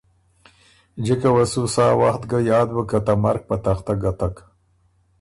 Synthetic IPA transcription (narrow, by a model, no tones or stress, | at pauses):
d͡ʒɪkawasusɑːwaxt̪ɡajɑːd̪bəkat̪amaɾk̚pat̪axt̪aɡat̪ak